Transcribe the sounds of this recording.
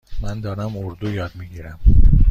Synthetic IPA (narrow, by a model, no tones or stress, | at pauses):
mænd̪ɒːɾæmoɾd̪ujɒːd̪miɟiːɾæm